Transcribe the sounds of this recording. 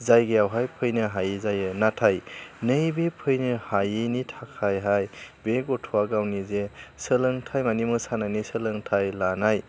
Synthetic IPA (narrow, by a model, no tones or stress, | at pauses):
zajɡejawɦajpʰɯjnɯɦajizajɯnatʰajnɯjbepʰɯjnɯhajinitʰakʰajɦajbeɡɔtʰuwaɡawnizesəlɯŋtʰajmanimɯsanajnisɯlɯŋtʰajlanaj